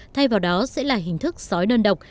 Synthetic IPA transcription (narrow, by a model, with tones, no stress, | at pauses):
t̪ʰa˧jvaː˨˩wɗɔ˨˦sɛ̰˧˥laː˨˩ɦï˨˩ŋ̟t̪ʰɨ˦˥k̚sɔ˨˦jnəː˧nɗə˨˩wk͡p̚